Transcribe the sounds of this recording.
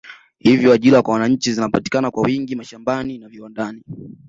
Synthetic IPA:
hivjɔaʄilakwawanaɲ̩t͡ʃizinapati̥kanakwawiŋɡimaʃambaninaviwandani

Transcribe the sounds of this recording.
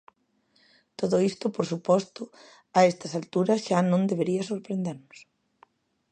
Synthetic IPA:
t̪oðʊist̪ʊpoɾsupɔst̪ʊ | aest̪ɐsalt̪uɾɐsʃanõnd̪eβeɾiɐsoɾpɾẽnd̪eɾmʊs

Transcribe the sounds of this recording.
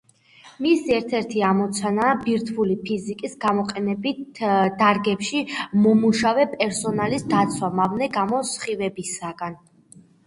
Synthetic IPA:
misiɛɾt̪ʰɛɾt̪ʰiamɔt̪sʰanaːbiɾt̪ʰulipʰizikʼisɡamɔqʼɛnɛbit̪ʰd̪aɾɡɛpʃimɔmuʃavɛpʼɛɾsɔnalisd̪at̪sʰwamavnɛɡamɔsχivɛbisaɡan

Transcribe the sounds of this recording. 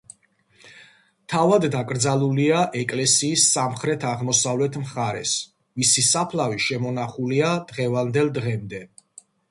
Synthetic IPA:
t̪ʰavad̪d̪akʼɾd̪zalˠuliaʔɛkʼlɛsiːsːamχɾɛt̪ʰaʁmɔsavlɛt̪ʰmχaɾɛ̰s | visisapʰlaviʃɛmɔnaχuliad̪̥ʁɛvand̪ɛlˠd̪ʁɛmd̪ɛ

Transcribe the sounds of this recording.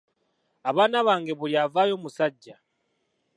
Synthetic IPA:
aβanaβaŋɡɛβuljavajɔmusaɟːa

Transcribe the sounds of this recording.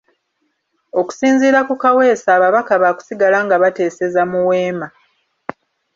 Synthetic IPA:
o̞ku̥siːnziːɾakukawe̞ːsaːβaβakaβaːku̥siɡalaŋɡaβate̞ːse̞zamuwe̞ːma

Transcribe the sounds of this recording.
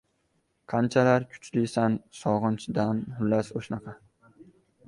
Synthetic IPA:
qʰɑnt͡ʃʰalaɾkʲʰʊ̥t͡ʃlɪsansɒʁɨnt͡ʃʰd̪anhʊlːasoʃnɑqʰɑ

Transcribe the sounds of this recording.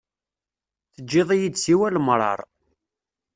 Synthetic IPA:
θəd͡ʒːɪðˤijid̪siwælmɾˤɑ̰ɾˤ

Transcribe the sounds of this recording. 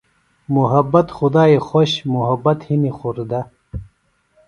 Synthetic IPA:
muɦɐbːɐt̪xud̪aːixoɕmuɦɐbɐt̪hinixuɾd̪ɐ

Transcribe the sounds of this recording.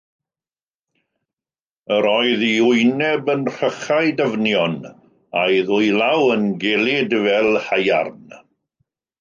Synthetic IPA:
əɾɔɨðiʊjnɛbənr̥əχajdəvnjɔn | ajðʊjlawənɡɛlˠɪdvɛlˠhaja̰rn

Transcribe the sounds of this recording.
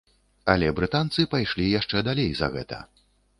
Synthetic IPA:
ɐlʲɛbɾɨt̪ant̪sɨpajʂlʲijaʂt͡ʂɛd̪alʲejzɐ̰ɣɛ̰t̪ɐ̰

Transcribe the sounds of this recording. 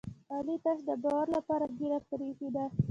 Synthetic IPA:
ɑlit̪aʃd̪əbɑwaɾlapɑɾaɡiɾat̪aɾifid̪a

